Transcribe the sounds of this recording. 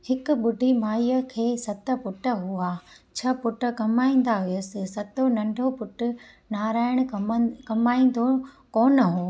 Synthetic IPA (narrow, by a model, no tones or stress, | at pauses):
hɪkʊ̆ɓʊɖʱimaːjəkʰeːsɐt̪ə̆pʊʈə̆ɦuaːt͡ɕʰɐpʊʈə̆kɐmaːĩːn̆d̪aɦʊjəsɪ̆sɐt̪onɐ̃ɳɖʱopʊʈʊ̆ | naːɾaːɪɽ̃ʊkɐmaːĩːn̆d̪ʱo | koːnəɦoː